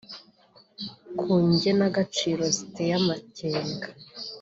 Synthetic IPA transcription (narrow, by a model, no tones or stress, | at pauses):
kʰuːɲɟe̞naɡat͡ʃiːɾo̞zi̥tejamaceːŋɡḁ